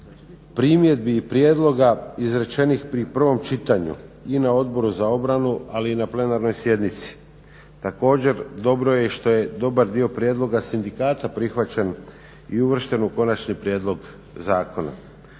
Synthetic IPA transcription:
pɾiːmje̞d̪̚biːpɾje̞d̪lˠo̞ɡaizɾe̞t͡ʃe̞nixpɾipr̩ʋo̞mt͡ʃit̪aɲṵinao̞d̪bo̞ɾuzao̞bɾanualiːnaple̞naɾno̞jsje̞d̪nit̪si̥ | t̪ako̞ːd͡ʑe̞ɾd̪o̞bɾo̞je̞ʃt̪o̞je̞d̪o̞baɾd̪io̞pɾje̞d̪lˠo̞ɡasind̪ikaːt̪apɾixʋat͡ɕen | iuʋr̩ʃt̪e̞nuko̞nat͡ʃnipɾje̞ːd̪lˠo̞ɡ | zaːko̞na̰

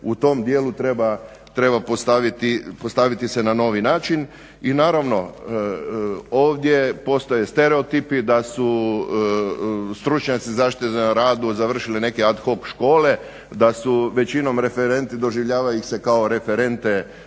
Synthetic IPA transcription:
ut̪o̞md̪jeːlut̪ɾe̞ba | t̪ɾe̞bapost̪aʋit̪ipost̪aʋit̪isenano̞ːʋinaːt͡ʃin | inaːɾaʋno̞ | oːʋd̪je̞po̞st̪oje̞st̪eɾe̞ot̪ipid̪asu | st̪ɾut͡ʃɲat̪sizaʃit̪izeɾaːd̪uzaʋr̩ʃiline̞kead̪xo̞kʃko̞ːle̞ | d̪asuʋe̞t͡ʃino̞mɾe̞feɾe̞nt̪id̪o̞ʒiʋʎaːʋaixse̞kao̞ɾe̞feɾe̞nt̪e

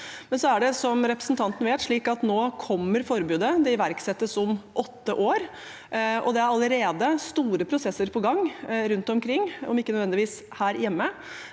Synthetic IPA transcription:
mɛnsɔæɖɛsɔmɾɛpɾəsn̩t̪ʰɑnt̪ən̩ʋeːt̪ʂɭiːkɑt̪noːkʰɔmːəɾfɔɾbʉːd̪əd̪ɛɪʋæɾksɛt̪ːəsɔmʔɔt̪ːəʔoːɾ | ʔɔ̰d̪ɛæɾɑləɾeːd̪əst̪uːɾəpʰɾʊsɛsːəɾpʰɔɡɑŋːɾʉnt̪ɔmkʰɾɪŋːɔ̰mɪkːənœd̪ʋɛnd̪ɪʋiːs | hæːɾjɛmːə

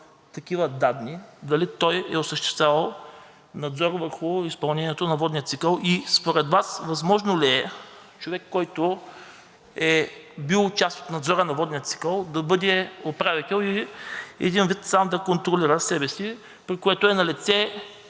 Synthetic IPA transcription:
t̪ɐk̟ivɐd̪ad̪nid̪ɐlit̪ɔjɛ̰osəʃt̪ɛ̥st̪vavɐlˠ | nɐd̪zɔɾvəɾxʊispɐlˠnɛnʲiɛt̪onɐvɔd̪nijət̪sikəlˠispoɾɛd̪vasvɐzmɔʒnoliɛ | t͡ʃovɛkːɔjt̪o | ɛbilˠt͡ʃast̪o̥t̪nɐd̪zɔɾənɐvɔd̪nijət̪si̥kəlˠd̪ɐbɤd̪ɛopɾavit̪ɛlˠi | ɛ̰d̪invit̪samd̪ɐkont̪ɾoliɾəsɛbɛsi | pɾikoɛt̪ʊɛnɐlit̪sɛ

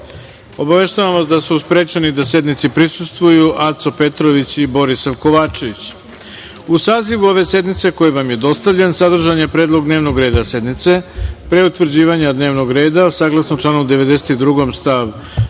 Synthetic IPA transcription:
o̞baʋe̞ʃt̪aʋamʋasd̪asuspɾe̞ːt͡ɕenid̪ase̞d̪nit̪sipɾisust̪ʋujuʔat̪t̪sope̞t̪ɾo̞ʋit͡ɕibo̞ɾisaʋko̞ʋaːt͡ʂe̞ʋit͡ɕ | usaːziʋuo̞ʋe̞se̞d̪nit̪se̞ko̞jeʋamje̞d̪o̞st̪aʋʎensad̪r̩ʒaɲepɾe̞ːd̪lˠo̞ɡd̪neːʋno̞ɡɾe̞ːd̪ase̞d̪nit̪se̞pɾeut̪ʋr̩d͡ʑiːʋaɲad̪ne̞ːʋno̞ɡɾe̞ːd̪asaːɡlˠasnot͡ʂlaːnuud̪e̞ʋe̞d̪e̞set̪id̪ɾuɡo̞mst̪aʋ

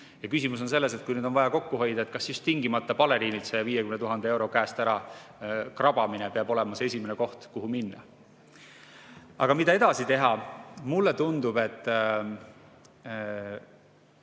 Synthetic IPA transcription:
jɑkysimus̬o̞nse̞lːe̞se̞t̪̚kujnyːd̪onvɑjɑko̞kːuɦo̞jd̪̥ɑet̪̚kɑsjust̪ːiŋɡimɑt̪ːˑɑpɑle̞ɾiːnilt̪se̞viːjekymnt̪uɦɑnd̪ee̞wɾo̞kæːst̪æɾɑ | krɑb̥ɑminepeɑbo̞lemɑsee̞s̬ʲimeneko̞ht̪kuɦuminːɑ̰ | ɑ̰ɡ̥ɑmit̪ɑe̞d̪̥ɑsit̪e̞ɦɑmulːet̪und̪ub̥e̞t̪ːˑ

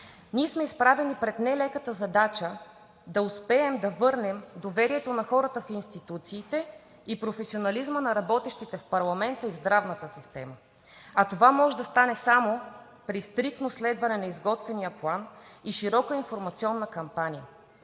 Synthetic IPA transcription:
niɛsmɛispɾavɛnipɾɛt̪nɛlɛkət̪əzɐd̪at͡ʃə | d̪ɐʊspɛːmd̪ɐvɤɾnɛmd̪ovɛɾiɛt̪onɐxɔɾət̪əfinst̪it̪ut̪siːt̪ɛ | ipɾofɛsionɐlizmənɐɾɐbɔt̪ɛʃt̪it̪ɛfpɐɾlˠɐmɛnt̪əivzd̪ɾavnət̪əsist̪ɛ̰mə | ɐt̪ovamɔʒɛd̪ɐst̪anɛsamo | pɾist̪ɾik̚t̪noslɛd̪vɐnɛnɐizɡɔt̪vɛnijəplˠaniʃiɾɔkəinfoɾmɐt̪siɔnːəkɐmpanijə

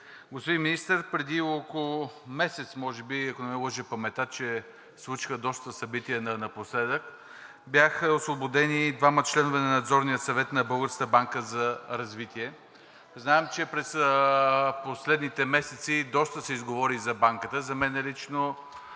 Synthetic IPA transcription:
ɡospod̪ĩnminist̪əɾpɾɛd̪iokolˠomɛsɛt̪smɔʒɛbiɛkonɛlˠəʒɛpɐmɛt̪at̪t͡ʃɛ | slˠut͡ʃi̥xəd̪ɔst̪əsɐbit̪iənɐnɐposlɛd̪ək | bjaxəosvobod̪ɛnid̪vamət͡ʃlɛnovɛnɐnɐd̪zɔɾnijət̪sɐvɛt̪nɐbɤlˠɡəɾskəbaŋkəzɐɾɐzvit̪iɛ | znaɛmt͡ʃɛpɾɛs | poslɛd̪nit̪ɛmɛsɛt̪sid̪ɔst̪əsɛizɡovɔɾizɐbaŋkət̪əzɐmɛnɛlit͡ʃno

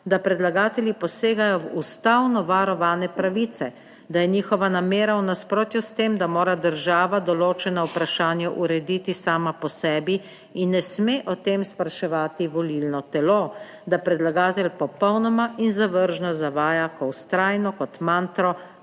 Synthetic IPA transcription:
d̪apɾɛd̪laɡaːt̪ɛljipɔseːɡajɔwust̪awnɔʋaɾɔʋaːnɛpɾaʋiːt̪sɛ | d̪ajɛɲiːxɔʋanameːɾawnaspɾoːt̪just̪eːmd̪amoːɾad̪əɾʒaːʋad̪ɔloːt͡ʃɛnɔwpɾaʃaːnjaʔuɾɛd̪iːt̪isaːmapɔsɛːbi | inːɛsmeːʔɔt̪eːmspɾaʃɛʋaːt̪iʋɔlilnɔt̪ɛloː | d̪apɾɛd̪laɡaːt̪ɛlʲpɔpɔwnɔmainzaʋəɾʒnazaʋaːjakɔwst̪ɾaːjnɔkɔt̪mant̪ɾɔ

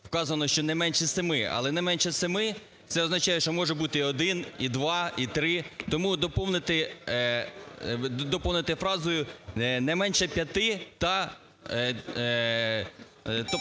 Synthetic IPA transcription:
wkɑzɐnɔʃt͡ʃɔnɛmɛnʲʃɛsemɪɐ̰lˠɛnɛmɛnʲʃɛsemɪ | t̪sɛɔznɐt͡ʃaɑjeʃt͡ʃɔmɔʒɛbut̪ɪɔd̪ɪnid̪ʋɑit̪ɾɪt̪ɔmud̪ɔpɔwnɪt̪ɪ | d̪ɔpɔwnɪt̪ɪfɾɑzʊjʊnɛmɛnʲʃɛpʲjɐt̪ɪt̪ɐ | t̪ɔ

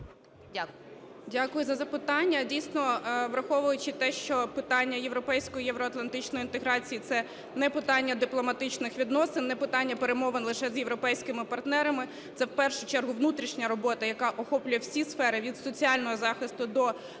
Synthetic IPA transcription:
dʲakʊjʊzɐzɐpɪt̪ɑnʲːɐdʲijsʲnɔʋɾɐxɔʋʊjʊt͡ʃɪt̪ɛʃt͡ʃɔpɪt̪ɑnʲːɐjeʋɾɔpɛjsʲkɔjijɛʋɾɔɐt̪lˠɐnt̪ɪt͡ʃnɔjint̪eɦɾɑt͡sʲijit̪sɛ | nɛpɪt̪ɑnʲːɐd̪ɪplˠɔmɐt̪ɪt͡ʃnɪxʋʲid̪nɔsɪnːɛpɪt̪ɑnʲːɐpeɾemɔʋenlˠɪʃɛzjeʋɾɔpɛjsʲkɪmɪpɐrt̪nɛɾɐmɪ | t̪sɛwpɛrʃʊt͡ʃɛrɦʊʋnut̪ɾʲiʃnʲɐɾɔbɔt̪ɐjɐkɑʔɔxɔplʲʊjɛwsʲisfɛɾɪʋʲid̪sɔt͡sʲiɑlʲnɔɦɔzɑxɪst̪ʊd̪ɔ

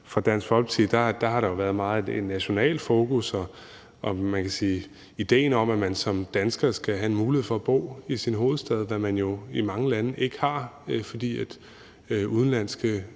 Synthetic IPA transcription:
fʁɑ̈d̥æn̰sfɒ̽lb̥t͡sʰiðˠd̥ɑd̥ɑ̈ɦɑ̈ɾɑ̈jo̝ʋæɐð̞ˠmɑ̈ːð̩ˠede̝d̥næɕo̝nɛ̰ːl̥fo̝ːkusɒ | ʔɒ̽mænkʰæsiː | id̥e̝̰ːnɒ̽mæmænsɒ̽md̥ænsɡ̥ɐːsɡ̥æɦæe̝nmuːlihe̝ð̩̰ˠfɒ̽ːb̥o̝̰ːisinɦo̝ːð̞̩ˠsd̥ɛð̞ˠʋæmænjo̝imɑ̈ŋəlænəʔe̝ɡ̥ə̥hɑ̈fɒ̽d̥ḭːæd̥ | uð̞ˠnlæn̰sɡ̥ə

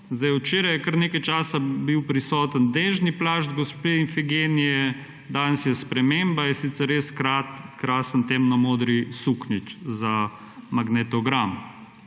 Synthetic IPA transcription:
zd̪ajwt͡ʃeːɾajɛkəɾneːkajt͡ʃaːsabiwpɾisɔːt̪ənd̪eːʒniplaːʒd̪ɡɔspiinfiɡeːnijɛ | d̪anəsjɛspɾɛmembajɛsit̪sɛɾːeskatkɾasənt̪emnɐmoːd̪ɾisuknit͡ʃza | maɡnɛt̪ɔɡɾam

